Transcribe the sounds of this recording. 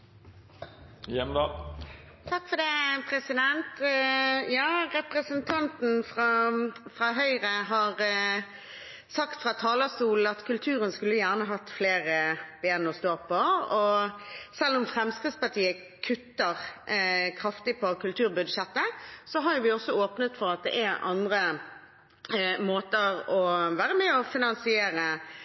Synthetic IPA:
jɛmd̪ɑː | t̪ʰɑkːfɔd̪ɛːpʰɾɛsɪd̪ɛnt̪ | jɑːʁɛpʁəsənt̪ʰɑnt̪n̩fʁɑfʁɑɦœʏʁəɦɑʁ | sɑkt̪fʁɑt̪ʰɑːlɑst̪uːl̩ɑt̪kʰʉlt̪ʰʉːɾənskʉlːəjæːʁnəɦɑt̪ːfleːʁəb̥eːnɔst̪oːpɔɔ | sɛlːʊmfʁɛmskʁɪt̪spɑt̪ʰiːə | kʰʉt̪ːəʁ | kʰʁɑft̪ɪpʰɔkʰʉlt̪ʰʉːʁbʉd̪ʃɛt̪ːəsɔɦɑɾjʊʋɪɔsːɔoːpnət̪fɔɾɑt̪̚d̪ɛ̰ʔæʔɑ̰nd̪ʁə | moːt̪əʁɔʋæːʁəmɛːɔfɪnɑnsɪeːɾə

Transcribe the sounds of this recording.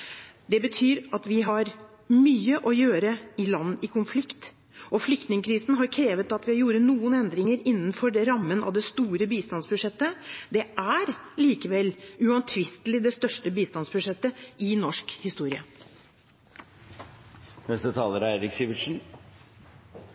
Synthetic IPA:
d̪ɛbət̪ʰyːɾɑt̪ʋɪɦɑɾ | myːəʔɔjøːɾəɪlɑnːɪkʰʊnflɪkt̪ | ʔɔflʏkt̪nɪŋəkʰɾiːsn̩ɦɑɾkʰɾeːʋət̪ɑt̪ʋɪhɑɾjuːɾənuːənɛnd̪ɾɪŋəɾɪnːənfɔɖɛɾɑmːənɑ̰ʋd̪ɛst̪uːɾəbiːst̪ɑnsbʉʂɛt̪ːəd̪ɛæɾliːkəʋɛlʉɑnt̪ʰʋɪst̪lɪd̪ɛst̪œʂʈəbiːst̪ɑnsbʉʂɛt̪ːəɪnɔʂkhɪst̪uːɾɪə | nɛst̪ət̪ʰɑːləɾæɪɾɪksiːʋɪʈʂn̩

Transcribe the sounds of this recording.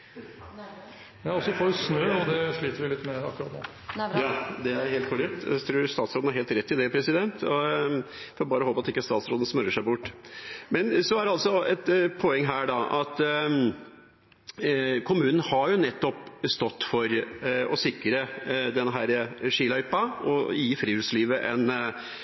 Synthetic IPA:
ɔsɔfoːɾsnøːɔd̪ɛʂɭiːt̪əɾʋɪlɪt̪ːmɛɑ̰kːɾɑ̰t̪no̰ | jɑːd̪ɛæɾɦeːlkʰʊɾɛk̚t̪æ̰t̪ʰɾuːɾst̪ɑːt̪sɾoːd̪hɑɾɦeːlt̪ɾɛt̪ːɪd̪ɛpʰɾɛsɪd̪ɛnt̪ɔ | fɔɾbɑːɾəɔhoːpəɑt̪ɪkːəst̪ɑːt̪sɾoːd̪n̩smœɾːəʂæɪbʊʈːmɛnsɔæɾɑlsɔɛt̪pʰoɛŋːɦæːɖɑʔɑt̪ | kʰʊmʉːnən̩hɑɾjʊnɛt̪ːɔpst̪ɔt̪ːfɔɾɔsɪkɾəd̪ɛnːəɦæɾəʂiːlœʏpɑɔ̰jiːfɾiːʉɾsliːʋəʔɛn

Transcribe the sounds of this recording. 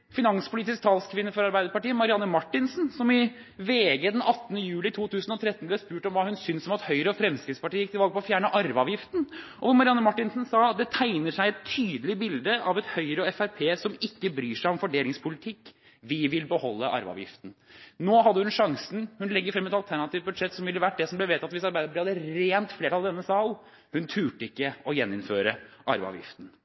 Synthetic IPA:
fɪnɑnspʰʊliːt̪ɪsk̚t̪ʰɑːlskʰʋɪnːəfɔɾɑɾbæɪd̪əɾpɑʈiːəmɑɾɪɑnːəmɑʈːɪnsnsɔmɪ | ʋeːɡəd̪ɛnʔɑt̪ːnəjʉːlɪt̪ʰuːt̪ʰʉːsənɔt̪ʰɾɛt̪n̩b̪ɑspʉːʈɔmʋɑːhʉnsʏnsɔmɑt̪hœʏɾəɔfɾɛmskɾɪt̪spɑʈiːəjɪkt̪ɪlʋɑlɡ̚əpʰɔfjæːɳəʔɑɾʋɑʋjɪft̪n̩ʔɔʋɔmɑɾɪɑnːəmɑʈːɪnsn̩sɑːd̪ɛt̪ʰæɪnəʂæɪɛt̪ʰːyːd̪əlɪbɪld̪əʔɑʋɛt̪hœʏɾəɔɛfæɾpʰeːsɔmɪkːəbɾyːʂæɪɔmfɔɖeːlɪŋspʰʊlɪt̪ʰɪkː | ʋɪʋɪlbəhɔlːəʔɑ̰ɾʋəɑ̰ːʋjɪ̰ft̪n̩noːɦɑd̪ːəhʉnʂɑŋsn̩hʉnlɛɡːəɾfɾɛmːɛt̪ɑlt̪ʰæɳɑt̪iːʋt̪̚bʉd̪ʂɛt̪ːsɔmʋɪlːəʋæʈ̚ːd̪ɛsɔmblɛʋeːt̪ɑt̪ʋɪsɑɾbæɪd̪əɪɑd̪əɾeːnt̪fleːʈʰɑld̪ɛnːəsɑːl | hʉnt̪ʰʉːʈəɪkːəɔjɛnːɪnføːɾəʔɑɾʋəɑ̰ʋjɪ̰ft̪n̩

